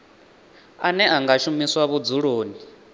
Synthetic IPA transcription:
anɛaŋɡaʃumiswaβud͡zuɺoːni

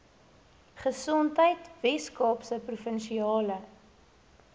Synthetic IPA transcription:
χəsɔntəjtvɛskɑːpsəprufənʃiɑːlə

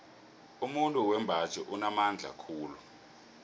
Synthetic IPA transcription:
umuntʼuwɛmbʱḁt͡ʃʼɛʔunamand͡ɮʱa̰kʰuːlu

